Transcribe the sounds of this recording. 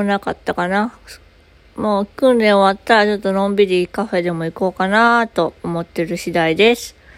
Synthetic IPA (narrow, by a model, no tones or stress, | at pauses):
nakat̪ːakana | moːkɯ̟̃nɾẽ̞ɰ̃oβat̪ːaɾat͡ɕo̞t̪ːo̞nõ̞mbʲiɾʲikaɸe̞d̪e̞mo̞iko̞ːkanat̪o̞ːmo̞t̪ːe̞ɾɯ̟ɕid̪aid̪e̞sɨ̥